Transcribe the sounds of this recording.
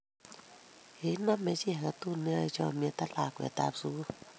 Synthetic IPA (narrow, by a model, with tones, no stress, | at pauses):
he˨˦na˧˥˨mːɛ˧˦si˦˧˦ha˨ka˧t̪u˧˨nɨ˧˨t͡ʃɔ˧˨mi˧˨t̪a˧laː˨kwɛ̰˧˨t̪a̰˧˨p̚su˧˦